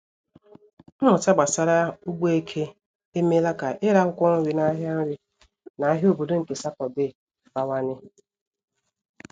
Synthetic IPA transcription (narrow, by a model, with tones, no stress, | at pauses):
m̩˦mʊ˨ta˦ɡ͡ba˨sa˨ɾa˦u˦ɡ͡bo˦e˦kʰe˦ | e˦me˦la˦ka˨ʔɪ˦ɾa˦kʷʊ˦kʷɔ˦ŋ̩˦wi˨na˦ɦja˦n̩˦ɾi˦ | na˨˦ɦo˨bo˨do˦ŋ̩˨ke˨sa˦kɔ˨dɪ˦˨ | ba˨wa˦nɪ˦